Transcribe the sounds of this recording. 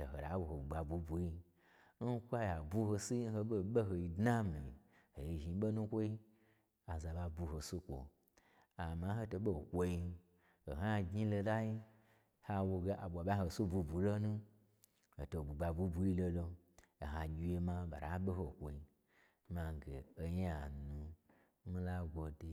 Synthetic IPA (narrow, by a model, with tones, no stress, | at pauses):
o˨ɦo˨a˨˦wo˨ho˨u˨ɡ͡ba˨bu˧bu˨ji˧ | n̩˦kʷa˦ja˨bu˦ho˧si˦ho˧ɓo˦ɓe˦ɦo˧ji˧dna˦mi˨i˨ | ho˨ji˧ʒi˨˦ɓo˦nũ˦kʷo˦i˦ | a˨za˨ba˧bu˧ho˨su˦kʷo̰˨ | a˨ma˨˧˦ɦo˧to˧ɓo˦˨kʷo˧ji˧ | o̰˨ɦa˦˨ɡɲi˦lo˧la˦ji˦ | ha˧wo˧ɡe˧ʔa˨ɓʷa˨ɓa˦ɦo˨su˦bu˧bu˨lo˦nũ˦ | ho˨to˨bu˨ɡ͡ba˨bu˧˦bu˧ji˦lo˧lo˧ | o˨ɦa˨ɡʲi˨˧je˧ma˧ɓa̰˨ɾa̰˨˦ɓe˦ɦo˨kʷo˨i˧ | ma˨ɡḛ˨o˧ɲ˦a˨nu˨˦ | mi˦la˦ɡʷo˨de˨